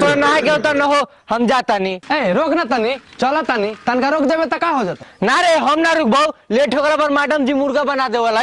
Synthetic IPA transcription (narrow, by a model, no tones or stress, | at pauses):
t̪ɔnaɡelt̪ɔnəɦo | həmd͡ʒat̪anieɾokʰnat̪ənit͡ʃɔlat̪anit̪ənkaɾokʰd͡ʒebet̪əkãɦod͡ʒat̪naɾeɦəmnaɾuk̚ʰbawleʈʰoɡlapəɾmaɖəmd͡ʒimuɾɡabənad̪ebala